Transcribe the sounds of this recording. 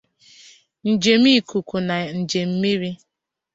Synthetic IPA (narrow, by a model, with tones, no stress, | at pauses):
n̩˨d͡ʒe˨mi˦˨ku˨ku˨na˨n̩˨d͡ʒe˨m̩˦mi˦ɾi˦